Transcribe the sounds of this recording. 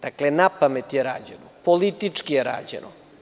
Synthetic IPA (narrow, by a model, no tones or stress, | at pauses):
d̪̥aklenapamet̪jeɾa̰ːd͡ʑenopolit̪it͡ʂkijeɾa̰ːd͡ʑḛnʔo